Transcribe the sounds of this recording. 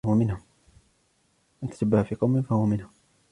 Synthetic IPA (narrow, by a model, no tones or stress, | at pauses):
ʊwamɪnhʊm | ʔant̪ḁt̪abːahafiːqɑwmɪnfahʊwamɪnhʊm